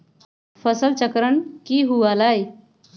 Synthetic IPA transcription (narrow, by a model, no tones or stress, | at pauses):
fəsəlt͡ʃəkɾəɳkiːɦuʋalaj